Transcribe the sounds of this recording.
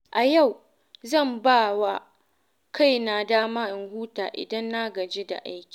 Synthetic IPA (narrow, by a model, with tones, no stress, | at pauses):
ʔa˨ja˦˨w | zɐ˦˨mbaː˦˨wa˦ | kʰa˦˨jna˨daː˦maː˦ʔɪ˨ŋhuː˦ta̰ː˨ʔɪ̰˨dɐ˦nːaː˦ɡɐ˨d͡ʒeː˦da̰˨ʔa̰˦jkʲi̥˨